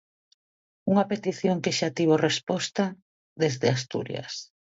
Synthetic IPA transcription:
uŋapet̪iθjoŋkeʃat̪iβ̞orespɔst̪a | ðezðeast̪ṵɾj̰a̰s

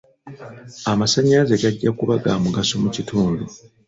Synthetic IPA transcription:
amasaɲːazeɡaɟːakuβaɡaːmuɡasomucituːndu

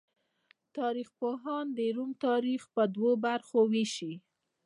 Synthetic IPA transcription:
t̪ɑɾixpoɦɑnd̪eɾumt̪ɑɾixpəd̪wobaɾxowiʃi

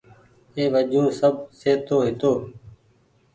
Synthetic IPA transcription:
eːʋəd͡ʒũːsəb̚seːt̪oːɦɪt̪oː

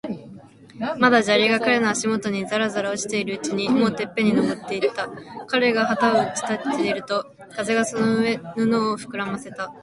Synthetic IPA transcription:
mad̪aʑaɾʲiɡakaɾe̞no̞aɕimo̞t̪o̞ɲ̟izaɾazaɾaoɕi̥t̪e̞iɾɯ̟ɯt͡ɕiɲ̟imo̞ːt̪e̞pːe̞ɲ̟ino̞bo̞t̪ːe̞it̪ːakaɾe̞ɡaɦat̪aoɯt͡ɕi̥t̪at̪ːeiɾɯ̟t̪o̞ | kaze̞ɡaso̞no̞ɯ̟e̞nono̞ːɸɯ̟̥kɯ̟ɾamase̞t̪a

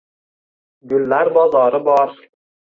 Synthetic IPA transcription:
ɡʲʊlːaɾbɒzɒɾɪbɒɾ

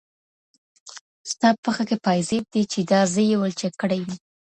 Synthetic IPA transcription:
st̪ɑppəxakepɑjzeb̚d̪et͡ʃed̪ɑzəjewəlt͡ʃekːəɽajwi

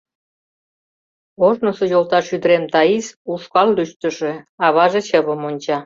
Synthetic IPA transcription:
oʒnosojolt̪ɑʃyd̪əɾemt̪ɑizuʃkɑlːyʃt̪ə̆ʃĕɑβɑʒet͡ɕəβəmonʲt͡ɕɑ

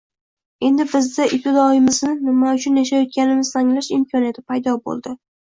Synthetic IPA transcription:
e̞nd̪ɪbɪzd̪aʔipʲɪd̪ɒɪmɪznɪnɪmaʊt͡ʃʰʊnjaʃ̬ajɒt̪̚kʲanɪmɪz̥t̪ʰaŋlaʃɪmkʲʰɒnijat̪ʰɪpʰajd̪ɒbo̰lˠd̪ɪ

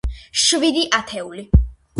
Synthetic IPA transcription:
ʃvid̪iʔat̪ʰɛuli

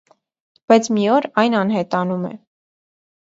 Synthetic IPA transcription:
b̥ɑjt͡sʰmiɔɾɑjnɑnɦɛt̪ɑnumɛ̰

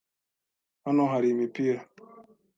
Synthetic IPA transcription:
anɔɦaɾimepiɾa

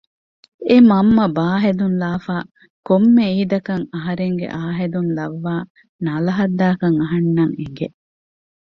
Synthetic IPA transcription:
emɐmːɐbaːɦed̪unlaːfaː | komːeiːd̪ɐkɐŋɐɦɐɾeŋɡḛʔaːɦed̪unlɐʋːaː | nɐlɐɦɐd̪ːaːkɐŋɐɦɐnːɐŋeŋɡe

